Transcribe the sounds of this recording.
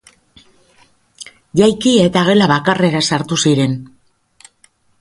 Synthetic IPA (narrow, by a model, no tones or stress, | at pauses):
ʝajkie̞t̪aɣ̞e̞laβakare̞ɾasaɾt̪usiɾe̞n